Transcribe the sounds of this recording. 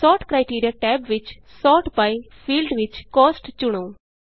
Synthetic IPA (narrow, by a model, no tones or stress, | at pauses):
sɔːʈkɾaːɪʈiːɾijaːʈɛːbʋɪt͡ʃ | sɔːʈbaːi | pʰiːlɖʋɪt͡ʃkɔːsʈt͡ʃʊɽ̃oː